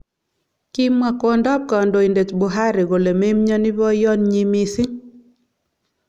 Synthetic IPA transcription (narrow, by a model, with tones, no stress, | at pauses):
ki˦mwa˨kɔ˨ndɔ˦b̚ka˨ɔ˨ndo˨i˨nde˨t͡ʃbo˨ɦa˦ɾɪ˨ɣo˨le˨me˦mɲɔ˦nɪ˦bɔ˦jɔ˦nɲi˦mi˦sɪ˦